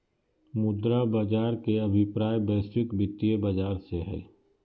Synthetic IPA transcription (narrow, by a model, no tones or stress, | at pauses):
mʊd̪ɾabad͡ʒaːɾkeɐbʱɪpɾaːjbɛːsɪkbɪt̪ːijebɐd͡ʒaːɾseɦɛ̰ː